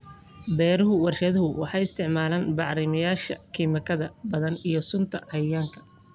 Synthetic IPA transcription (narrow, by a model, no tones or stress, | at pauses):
bɛːɾɪɦʊwɐrʃɐðɐɦʊwʔɑħɑjɪst̪ʰɪʕmaːlaːnbɑʕɾɪmɐjaːʃɐ̰kʰiːmɐkʰɐðɐbɐðɐnijɞsʊnt̪ʰɐhɐjaːŋkʰɐ̥